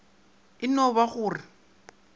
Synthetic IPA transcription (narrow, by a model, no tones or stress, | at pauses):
ɪnɔβaɣʊːrɪ